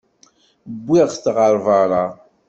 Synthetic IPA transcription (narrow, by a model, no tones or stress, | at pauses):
bːiʁθʁəɾˤvɑɾˤɑ